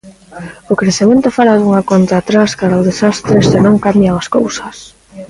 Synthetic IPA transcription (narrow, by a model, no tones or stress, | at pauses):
okɾeθiment̪ʊfaɾaðuŋakont̪aːt̪ɾaskaɾaoðesast̪ɾesɪnõŋkambjalaskowsɐs